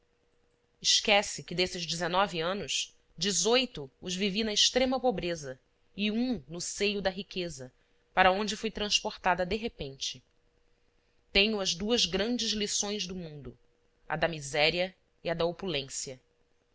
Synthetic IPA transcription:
ɪʃkɛsɪkɪd̪esɪzd͡ʒɪzenɔviɐ̃nʊs | d͡ʒɪzojt̪ʊːzvivinɐɪʃt̪ɾẽmɐpobɾezɐ | iũnʊsejʊd̪ɐɦikezɐ | paɾɐõnd͡ʒɪfojt̪ɾɐ̃spoɾt̪ad̪ɐd̪eɦepẽnt͡ʃɪ | t̪ẽɲʊɐzd̪uɐzɡɾɐ̃nd͡ʒɪzlisõj̃zd̪ʊmũnd̪ʊ | ɐ̰d̪ɐmizɛɾiɐ | iɐd̪ɐopulẽsjɐ

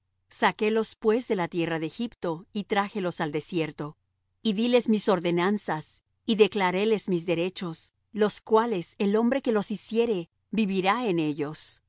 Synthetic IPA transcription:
sake̞lo̞spwe̞zðe̞lat̪je̞raðeːxipt̪o̞it̪ɾaxe̞lo̞sald̪e̞sje̞ɾt̪o̞ | iðile̞zmiso̞ɾðe̞nansas | iðe̞klaɾe̞le̞zmizðe̞ɾe̞t͡ʃo̞s | lo̞skwale̞se̞lo̞mbɾe̞ke̞lo̞sisje̞ɾe̞ | biβiɾaene̞ʝo̞s

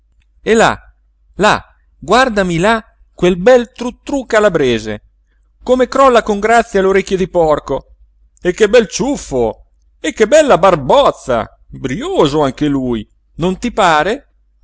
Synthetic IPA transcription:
ela̰ | la̰ | ɡward̪amila | kwelbɛlt̪ɾut̪ːɾukalabɾeːzḛ | komekɾɔlːakoŋɡɾat̪sːjaloɾekʲːjod̪ipɔrko | ekːebɛlt͡ʃufːo | ekːebɛlːabarbɔt̪sːa̰ | bɾjoːzoaŋk̟eluj | nont̪ipaːɾe

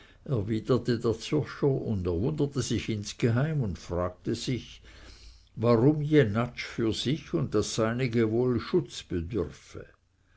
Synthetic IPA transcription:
ʔɛɐviːd̥ətədeːɐt͡sʊʃəʊndɛɐvʊndətəzɪçɪnsɡ̥eɦaɪmʊndfʁaːɡ̚təz̥ɪç | vaʁʊmjenat͡ʃfyːɐz̥ɪçʊnt̚d̥asːaɪnɪɡəvoːlʃʊt͡sb̥ədʏʁfə̰

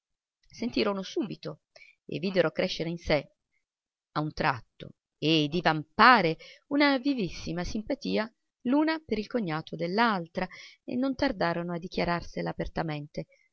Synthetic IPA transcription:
sent̪iːɾonosuːbit̪o | ḛvːiːd̪eɾokɾɛʃːeɾeinse | aunt̪ɾat̪ːo̰ | ed̪ivampaːɾeunavivisːimasimpat̪iːa | luːnapeɾilkoɲːaːt̪ʰod̪elːalt̪ɾaḛnːont̪ard̪aːɾonoad̪ːik̟jaɾarselaːpert̪ament̪e

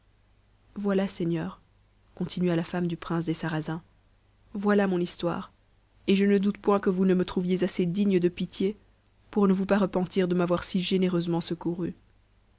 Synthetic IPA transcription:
vwalasɛɲœːʁ | kɔ̃t̪ʰinɥalafamd̪ypχɛ̃s̬d̪esaʁazɛ̃ | vwalamɔ̃nist̪wa̰ːʁ | eʒənəd̪ut̪pwɛ̃kəvunəmət̪χuvjezased̪iɲəd̪əpit̪je | puʁnəvupaʁəpɑ̃t̪iʁd̪əmavwaʁsiʒeneʁøzmɑ̃səkuʁy

